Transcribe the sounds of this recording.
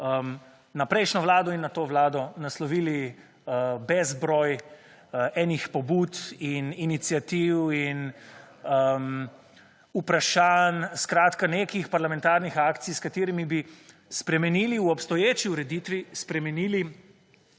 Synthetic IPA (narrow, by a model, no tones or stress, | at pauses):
əm | napɾɛjʃnɔʋlaːd̪ɔinːat̪oːʋlaːd̪ɔnaslɔʋiːli | bɛzbɾɔːj | ɛːnixpɔbuːt̪ininit̪sijat̪iwin | m | upɾaʃanskɾaːt̪kanekixpaɾlamɛ̃nt̪aːɾnixaːkt̪sijskat̪eːɾimibi | spɾɛmɛniːliwɔpst̪ɔjeːt͡ʃiuɾɛd̪iːt̪ʋispɾɛmɛniːli